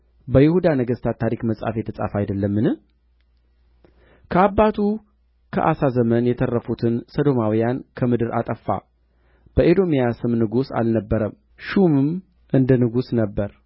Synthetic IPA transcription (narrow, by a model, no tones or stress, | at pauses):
bəjɪhud̪anəɡəst̪ʰat̪ʰːaɾikməsʼa̰fjɛt̪ʰəsʼa̰fajd̪əlːəmːɨnɨh | kʰəabːat̪ʰu | kʰə̰ʔasazəmənjɛt̪ʰərːəfut̪ʰɨnsəd̪o̞mawijankʰəmɨd̪ɨɾa̰t̪ʼəfːa̰ | b̥əʔed̪o̞mijasɨmnɨɡusa̰lnəbːəɾəm | ʃumɨm | ʔɨnd̪ənɨɡusnəbːəɾ